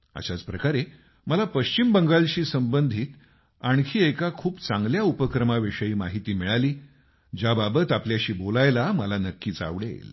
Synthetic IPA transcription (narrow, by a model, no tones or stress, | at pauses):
a̰ɕat͡spɾəkaɾe | məlapəɕt͡ɕimbəŋɡalɕiːsəmbənd̪ʱiːt̪ | aɳkʰiːekakʰuːpt͡saŋɡljaupəkɾəmaʋeʂəjiːmaɦit̪iːmiɭaliː | d͡ʑjababət̪apljaɕiːbolajlaməlanəkːiːt͡sa̰ʋɽḛl